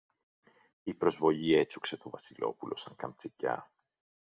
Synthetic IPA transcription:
ipɾo̞zvo̞ʎie̞t͡sukse̞t̪o̞vɐsilo̞̰pulo̞̰sɐŋkɐmt͡secɐ̰

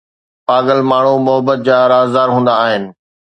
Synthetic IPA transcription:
paːɡəlmaːɳ̤umʊɦəbət̪̚d͡ʑaːɾaːzd̪aːɾɦũːn̆d̪aːɦɪnɪ̆

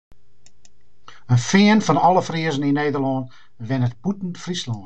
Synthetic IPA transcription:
ənfɪənfɔnɔləfriəzənineːdərlɔːn | ʋɪnət̚b̥utn̩tfrislɔn

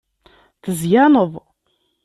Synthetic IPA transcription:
θəzjanəðˤ

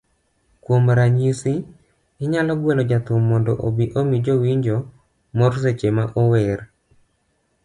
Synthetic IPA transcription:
kwomɾaɲisi | ɪɲalɔɡwɛlɔd͡ʒat̪ʊmːɔndɔʔobiʔomid͡ʒowiɲd͡ʒɔ | mɔrset͡ʃemaʔɔwɛr

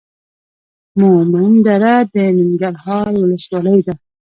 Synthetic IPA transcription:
momand̪aɾad̪əmɪŋɡaɾhɑːɾwʊləswɑləjd̪a

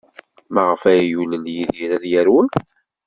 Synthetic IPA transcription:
mæʁəfæjjuləljiðjiɾæðjæɾwən

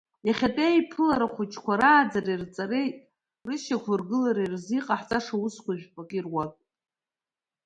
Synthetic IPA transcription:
jaχʲatʼejpʰɨlaɾaχʷʊt͡ʃʰkʷʰaɾaːd͡zarirt͡sʼaɾejtʼ | rɨʃakʷʰʊrɡɨlaɾairziqʼaħt͡sʼaʂaʊskʷaʒᶣpʷʼakʲʼirwatʼ

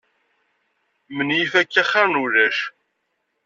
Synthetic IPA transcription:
mənjifækːæχːaɾnuðæʃ

